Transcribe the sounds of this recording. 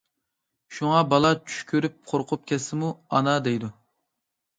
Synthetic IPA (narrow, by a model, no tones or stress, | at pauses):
ʃuŋɑbɑlˠɑt͡ʃʰy̥ʃkʲʰøɾyp̚qʰoɾqʰʊp̚kʲʰɛsɪmuɑnɑd̪ejd̪u